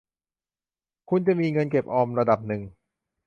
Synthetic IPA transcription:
kʰu˧nt͡ɕa˨˩miː˧ŋɤ˧nke˨˩p̚ʔɔː˧mɾa˧da˨˩p̚nɯ˨˩ŋ

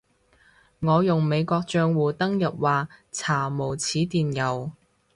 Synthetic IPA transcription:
ŋɔː˨˧jʊ˨˩ŋme˨˧jkʷɔː˧k̚t͡ʃœː˧ŋwuː˨˩t̪ɐ˥ŋjɐ˨p̚waː˨t͡sʰaː˨˩mo˨˩wt͡sʰiː˨˥t̪iː˨njɐ˨˩w

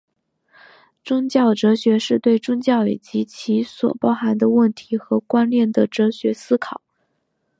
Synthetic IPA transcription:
ʈ͡ʂʊ˥ŋt͡ɕjɑ˥˩ʊʈ͡ʂɤ˧˥ɕɥɛ˧˥ʂɻ̩˥˧t̪we˥˩ɪʈ͡ʂʊ˥ŋt͡ɕjɑ˥˩ʊḭ˨˩t͡ɕi˧˥t͡ɕʰi˧˥swɔ̰˨˩pɑ˥ʊxa˧˥nd̪ə˧wə˥˩nt̪ʰi˧˥xɤ˧˥kwa˥nljɛ˥˩nd̪ə˩ʈ͡ʂɤ˧˥ɕɥɛ˧˥sɹ̩˥kʰɑ˨˩˦

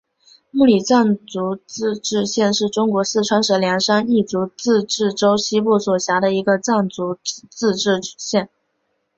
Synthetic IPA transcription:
mu˥˩li˨˩t͡sa˥˩nt͡su˧˥t͡s̩˥˧ʈ͡ʂɻ̩˥˧ɕjɛ˥˧nʂɻ̩˥˩ʈ͡ʂʊ˥ŋkwɔ˧˥s̩˥˩ʈ͡ʂʰwa˧˥nʂɤ˨˩ljɑ˧˥ŋʂa˥ni˥˩t͡su˧˥t͡sɹ̩˥˧ʈ͡ʂɻ̩˥˩ʈ͡ʂo˥ʊɕi˥pu˥˩swɔ˨˩ɕja˧˥ɾə˧i˧˥ɡə˧t͡sa˥˩nt͡su˧˥t͡sɹ̩˥˧ʈ͡ʂɻ̩˥˧ɕjɛ˥˩n

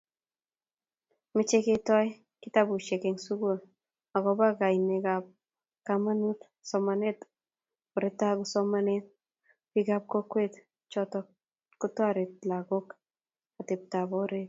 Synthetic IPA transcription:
mɪt͡ʃe˦ketɔ˦j | kɪ˦tabu˨ʃe˨ke˨ŋsu˦ɡo˦l | a˨ɡɔba˦ka˨ine˨kap̚ | kama˦nu˦t | sɔmane˦t | ɔ˨ɾe˨ta˦ɡusɔma˦net̚ | piɡa˦p̚kɔ˦kwe˦t | t͡ʃɔtɔ | kutwa˦ɾe˨t̚la˨ɡo˦k | ate˨p̚ta˨bɔɾe˦t̚

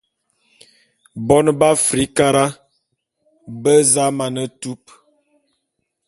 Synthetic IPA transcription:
bɔ˦n˦ba˦fɾi˨˦ka˦ɾa˦ | bə˦za˦ma˨nə˦tu˦p̚

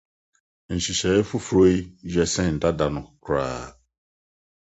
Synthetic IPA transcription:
n̩˨ɕi˨ɕɛ˨˦fu˦fɾo˦i˦d͡ʒɛ˨sɛ̃˦˨n̩˨da˦da˨nʊ̃˨kʰɾa̰ː˨

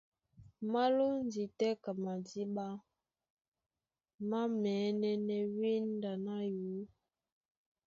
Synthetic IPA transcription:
ma˦lu˦n˦di˨tɛ˦ka˨ma˨di˦ɓa˦ | ma˦mɛː˨˦nɛ˦nɛ˨wi˦nda˨na˦ju˨˦

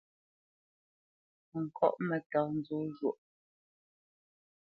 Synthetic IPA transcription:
ŋ̩˨kʰɔ̰˦˨ʔmɛ˨ta˨n̩˨˦d͡zo˦ʒwo˨ʔ

